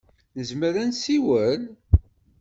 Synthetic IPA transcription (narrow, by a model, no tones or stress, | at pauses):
nəzməɾænsiwən